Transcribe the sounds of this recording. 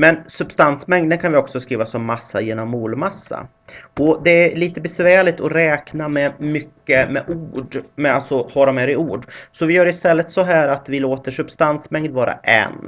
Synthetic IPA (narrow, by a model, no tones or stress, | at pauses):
mɛnsɵbst̪ansmɛŋd̪ənkʰanvɪɔksɔskɾiːvasɔmːasːajeːnɔmːuːlmasːa̰ | ɔd̪ɛæɾɭiːt̪əbɛsvæːɭɪt̪ʰɔɾɛːknamɛmʏkːəmɛʔuːɖmɛalt̪sɔhɑɾɔmɛɾɪuːɖsɔvɪjœːɾɪst̪ɛlːət̪sɔɦæːɾat̪vɪloːt̪əʂɵbst̪ansmɛŋd̪vɑːɾa̰ʔɛ̰n